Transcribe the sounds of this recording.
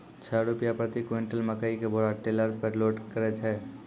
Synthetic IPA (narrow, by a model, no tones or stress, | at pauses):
t͡ʃʰəɾupijapɾət̪ikweɳʈəlməkaikebʱoɾaʈeləɾpeɾloɖkəɾɛt͡ʃʰɛ